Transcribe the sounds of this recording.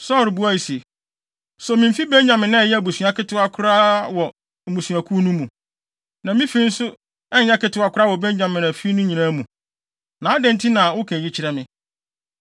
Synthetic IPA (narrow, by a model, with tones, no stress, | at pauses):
sɔ˦˨ɾbu˦a˦˨i˨se˨ | sɔ˨mĩ˨m̩˦fi˦bɛ˦ɲã˨mːɪ̃˨nã˦˨jɛ˦˨bu˨sɥa˨kɪ˦tʰʊ˦a˦kʰʊ˦ɾa˦wɔ˨ | m̩˨bu˨sũ˨a˨kʰu˦nũ˦mũ˨ | nã˨mĩ˦fi˦n̩˦sʊ˦ | ɛ˦ɲ˦ã˦kɪ˦tʊ˦a˨kʰʊ˦ɾa˦wɔ˨bɛ˦ɲã˨mɪ̃˨nã˨fi˦nʊ̃˦ɲĩ˨nã˦mũ˨ | nã˨˦a˦dɛ̃˦n˦tʰi˦nã˨wʊ˦kʰɛ̃˨ji˦t͡ɕʰɪ˨ɾɛ˨mɪ̃˦